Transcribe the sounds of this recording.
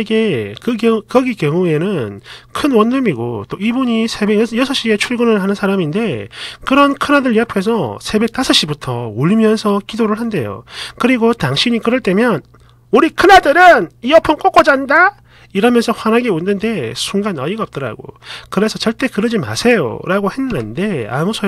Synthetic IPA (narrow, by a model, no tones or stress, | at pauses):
ɡe̞kɯkʌɡikjʌŋue̞nɯnkʰɯnwʌnːɯmiɡo̰t͈oibuɲisʰe̞besjʌsʰʌɕ͈ie̞t͡ɕʰuɭɡɯnɯɭɦanɯnsʰaɾaminde̞kɯɾʌnkʰɯnadɯɭiapʰe̞s̬ʰʌsʰe̞be̞k̚t͈asʰʌɕ͈ibutʰʌuʎimjʌnsʰʌkidoɾɯɭhande̞̰jo̰kɯɾiɡotaŋɕʰiɲikɯɾʌɭt͈e̞mjʌn | uɾikʰɯnadɯɾɯniʌpʰɯnk͈ok͈od͡ʑanda | iɾamjʌnsʰʌɸwanɦaɡeundɯnde̞sʰuŋɡanʌiɡaʌp̚t͈ʌɾa̰ɡo̰kɯɾe̞sʰʌt͡ɕʌɭt͈e̞kɯɾʌd͡ʑima̰sʰe̞jo̰ɾaɡohe̞nːɯnde̞a̰musʰʌ